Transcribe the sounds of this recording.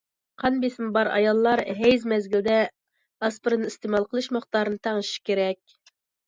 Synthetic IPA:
qʰɑnbesɪnɨbɑɾɑ̰jɑlˠːɑɾɦɛjzmɛzɡʲild̪ɛ | ɑspɨɾɨnɨist̪emɑlˠqəlˠɨʃmɨχt̪ɑːɾɨnɨt̪ʰɑŋɨʃʃkʲeɾɛkʲ

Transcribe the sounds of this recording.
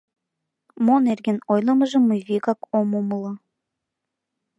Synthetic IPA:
monerɣenojlˠə̆mə̆ʒə̆mːujβikɑkomoməlˠɤ

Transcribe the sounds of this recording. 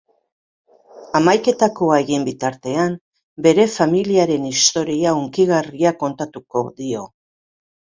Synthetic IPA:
amajke̞t̪ako̞aeɣimbit̪aɾt̪e̞am | be̞ɾe̞familiaɾe̞nist̪o̞ɾiauŋkiɣariako̞nt̪at̪uko̞̰ðio̞

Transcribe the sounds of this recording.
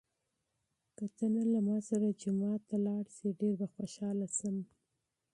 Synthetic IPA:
kat̪ənalamɑsaɾad͡ʒʊmɑt̪ːalɑɽsiɖeɾbaxwaʃɑlasəm

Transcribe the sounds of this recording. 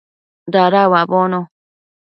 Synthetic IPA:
d̪aɾawabono

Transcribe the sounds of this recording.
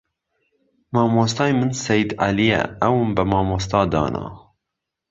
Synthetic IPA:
mɑːmost̪ɑːjmɨnsɛjd̪ʕa̰lijɛ̰ɛwumbəmɑːmoːst̪ɑːd̪ɑ̰ːnɑ̰ː

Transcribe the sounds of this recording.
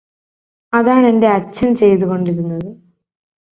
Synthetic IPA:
ɐðaːɳe̞nde̞ɐt͡ɕːɐnt͡ɕe̞jt̪̬uɣo̞ɳɖiɾunːɐðɨ

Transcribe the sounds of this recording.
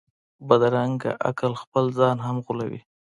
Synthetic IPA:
bad̪ɾaŋɡa̰ʔa̰kəlxpəlzɑnɦamɣʊla̰wḭ

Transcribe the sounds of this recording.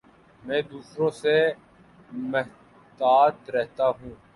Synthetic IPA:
mɛ̃ːd̪uːsɾõːse | mɪɦ | t̪aːt̪ɾɛɦt̪aɦũː

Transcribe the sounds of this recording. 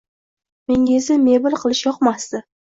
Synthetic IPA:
meŋʲezɪmebɪlˠqʰɨlˠɪʃjɒqmast̪ɪ

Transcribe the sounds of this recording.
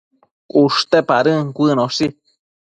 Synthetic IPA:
ʔuʂt̪epaɾɨŋkʷɨnõʂi

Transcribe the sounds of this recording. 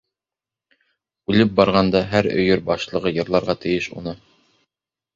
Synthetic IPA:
ʉlɘp̚bɑɾʁɑnd̪ɑɦæɾɵ̰̆jɵɾbɑʃlˠɤ̆ʁɤjɤ̆ɾlˠɑɾʁɑt̪ɘ̆jɘʃṵnɤ

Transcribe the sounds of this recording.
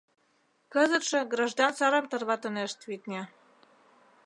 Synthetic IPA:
kɤzə̆t̪ʃɤ̆ɡrɑʒd̪ɑnsɑɾɤ̆mt̪ɤ̆rβɑt̪ɤ̆neʃt̪βit̪nʲe

